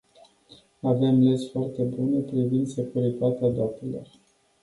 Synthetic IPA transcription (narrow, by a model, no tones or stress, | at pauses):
ave̞mlesfoart̪e̞bunepɾivind̪se̞kuɾit̪at̪ead̪ap̚t̪elo̞̰r